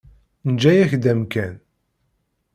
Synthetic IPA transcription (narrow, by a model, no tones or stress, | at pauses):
nd͡ʒæjæçd̪æmkæn